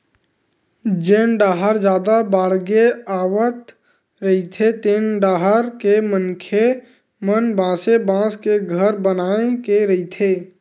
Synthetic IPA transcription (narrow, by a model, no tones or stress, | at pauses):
d͡ʒeːnɖaːɦəɾd͡ʒjaːd̪abaːɽɡeaːwət̪ | ɾəit̪ʰet̪eːnɖaːɦəɾkemənkʰe | mənbãːsebãːskeɡʱəɾbənaːekeɾəit̪ʰeː